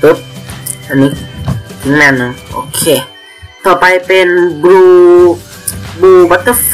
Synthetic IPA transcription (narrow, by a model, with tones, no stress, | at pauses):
pɯ˦p̚ʔa˨nːiː˦ | mɛ˧˩nɯ˨ʔo̰˨˩kʰeː˧˩ | t̪ʰɔː˧˩pa˧jpe˧nbɾuː˧ | buː˧ba˦t̪ːə˧˥f